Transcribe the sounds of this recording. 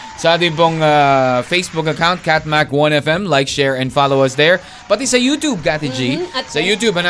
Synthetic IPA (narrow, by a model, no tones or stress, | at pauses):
saːd̪ɪpoŋafeɪsbʊkɐkãʊ̃nt̚kæt̪̚makwʌ̃nɛfɛ̃mlaɪkʃɛɹɛ̃nfaloʊɐsd̪ɛɹ | b̥ɐt̪̚isejut̪uːb̚kat̪ɪd͡ʒisejut̪uːbɐ̃n